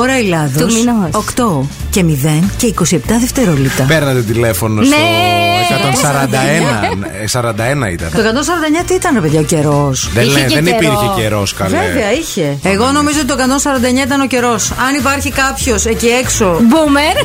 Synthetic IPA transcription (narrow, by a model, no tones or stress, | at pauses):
oɾɐilɐðookt̪o̞ | ce̞miðe̞nce̞iko̞siept̪ɐðeft̪eɾolipt̪ɐpeɾnɐt̪et̪ilefonosekɐt̪onsɐɾɐnd̪ɐenɐ | sɐɾɐnd̪ɐenɐ̰ḭt̪ɐ̰nt̪okɐt̪ons̬ɐɾɐnd̪ɐeɲɐt̪iit̪ɐnɾepeðʝɐoce̞ɾo̞sðeðenipiɾçekeɾoskɐlveveɐiçe̞ːɣo̞no̞mizoot̪it̪okɐt̪onsɐɾɐnd̪ɐeɲɐit̪ɐno̞ce̞ɾo̞sɐnipɐɾçikɐpço̞seciekso̞bumeɾ